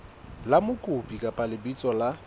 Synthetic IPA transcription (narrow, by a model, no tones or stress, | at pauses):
lamʊkʼʊpʼikʼapʼalɪbit͡sʼɔla